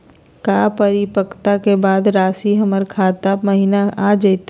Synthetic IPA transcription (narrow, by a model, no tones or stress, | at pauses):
kaːpəɾipəkt̪akebaːd̪ɾaːsiɦɐməɾkʰaːt̪abmɐɦiːnaaːd͡ʒɐit̪